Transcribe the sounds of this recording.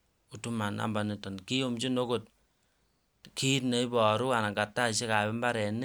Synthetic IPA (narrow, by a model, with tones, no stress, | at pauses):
u˨tu˦ma˨na̰˨mba˨ni˨tɔ˨nki˦jo˦mt͡ʃi˦no˦ko˨t̚ | ki˦tne˨˦i˦bɔ˨ɾu˦a˨na˨ŋɡa˨tːa˦˨ʃe˦ka˨bɛ˦mba˦ɾɛ˨ni˦